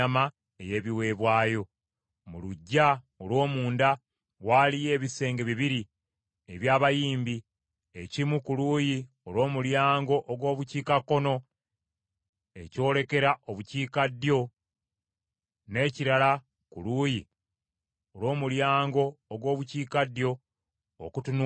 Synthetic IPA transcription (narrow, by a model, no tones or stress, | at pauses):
ama | e̞je̞ːβiwe̞ːβwaːjo̞ | muluɟːa | olwo̞ːmuːnda | waːlije̞ːβise̞ːŋɡe̞βiβiɾi | eβjaːβajiːmbi | e̞cimukuluːji | o̞lo̞ːmuljaːŋɡo̞ʔoɡwo̞ːβuciːkakːo̞no̞ | e̞̰co̞ːle̞ke̞ɾaʔo̞βuciːkadjo̞ | ne̞ːciɾala | kuluːji | olwo̞ːmuljaːŋɡo̞ːɡwo̞ːβuciːkadjo̞̰ː | kutun